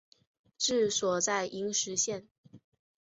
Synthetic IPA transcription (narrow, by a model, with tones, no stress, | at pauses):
ʈ͡ʂɻ̩˥˩swɔ˨˩t͡sa˥˩ɪʔi˧˥ŋʂɻ̩˧˥ɕjɛ˥˩n